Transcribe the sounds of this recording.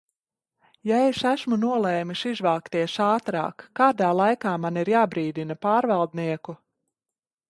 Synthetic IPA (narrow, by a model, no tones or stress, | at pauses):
jaɛʃæʃmunuɔlˠɛːmiʃizvaːkt̪iɛʃaːt̪ɾa̰ːkːaːd̪aːlˠajkaːmaniɾjaːbɾiːd̪inɐpaːɾvɑlˠd̪niɛku